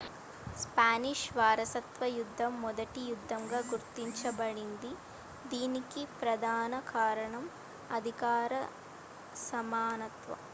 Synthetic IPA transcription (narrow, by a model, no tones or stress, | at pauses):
spaːniʂʋaːɾɐsɐt̪ʋɐjud̪ʱːɐmːɔd̪ɐʈijud̪ʱːɐmɡaːɡuɾt̪ːiɲt͡ʃɐbɐɽind̪i | d̪iːnikipɾɐd̪ʱaːnɐkaːɾɐɳɐm | ɐd̪ʱikaːɾɐ | sɐmaːnɐt̪ʋɐ̰